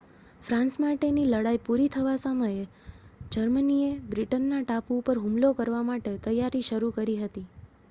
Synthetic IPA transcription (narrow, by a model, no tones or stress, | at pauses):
fɾãnsmaʈeniləɽaipuɾit̪ʰəʋasəməje | d͡ʒəɾməniebɾiʈənːaʈapupəɾɦũmlokəɾʋamaʈet̪əjaɾiʃəɾukəɾiɦət̪i